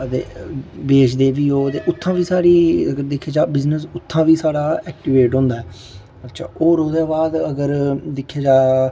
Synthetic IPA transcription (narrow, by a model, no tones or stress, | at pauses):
ət̪ḛːbeːt͡ʃd̪eːʋiːoːt̪eːʔʊt̪ʰːãːʋiːsaːɽiːəɡəɾd̪ekʰːeːd͡ʒaːbɪznəs̬ʊt̪ʰːãːʋiːsaːɽaːɛːk̚ʈiʋeːʈɦõːnd̪aːɦɛː | ətːʃʰa̰ːʔoːɾoːd̪eːbaːd̪əɡəɾd̪ɪkʰːeːd͡ʒaː